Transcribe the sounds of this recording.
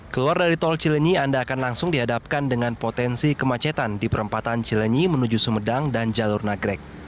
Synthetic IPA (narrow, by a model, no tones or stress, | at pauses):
kəluardaɾit̪ɔlt͡ʃiləɲiandaːkanlaŋsʊŋdiɦadap̚kandəŋanpot̪ɛnsikəmat͡ʃɛt̪andipəɾəmpat̪ant͡ʃiləɲimənud͡ʒusəmədaŋdand͡ʒalʊrnaɡɾɛk̚